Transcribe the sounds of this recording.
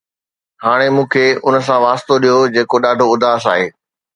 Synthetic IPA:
haːɽ̃emũːkʰeːʊnəs̬ãʋaːst̪oɗijod͡ʑeːkoɗaːɖʱoʊd̪ʱaːs̬a̰ːɦeː

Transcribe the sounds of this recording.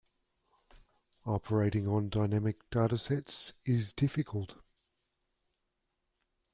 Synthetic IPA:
ɒpʰə˞eɪɾɪ̃ŋə̃ndɑɪnæmɪk̚d̥ɑɾəsɛtsɪzdɪfɪkʰəlˠt

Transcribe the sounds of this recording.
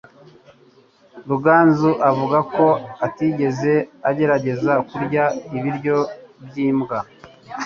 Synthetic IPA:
ɾuɡaːnzuʔavuɡako̞atiɟe̞ze̞aɟe̞ɾaɟe̞zakuɾɟaiβiɾɟo̞bɟiːmɡa

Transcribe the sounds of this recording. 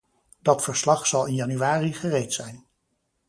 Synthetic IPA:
d̥ɑtfəɹslɑχsɑlˠɪnjɑnyʋaːriχərejtsɛjn

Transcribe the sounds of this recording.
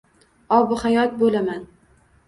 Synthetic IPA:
ɒbʊhajɒt̪̚bolaman

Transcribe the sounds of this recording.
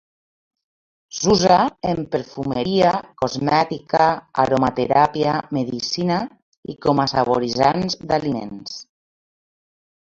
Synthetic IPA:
zuzaempeɾfumeɾiakozmɛt̪ikaa̰ɾomat̪eɾapiameðisina | ḭkomasaβoɾizanzd̪alimḛns

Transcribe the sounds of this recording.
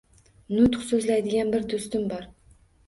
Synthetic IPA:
nʊt̪χsɵzlajd̪ɪɡʲanbɪɾd̪ʊst̪ɪmbɒɾ

